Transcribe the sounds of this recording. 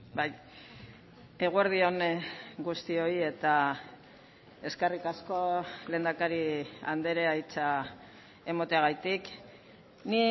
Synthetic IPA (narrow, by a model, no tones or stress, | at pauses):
baj | e̞ɣueɾðio̞nɡust̪io̞ie̞t̪a | e̞skerikasko̞le̞ːnd̪akaɾiand̪e̞ɾeajt͡sa | e̞mot̪eaɣ̞ajt̪ik | ni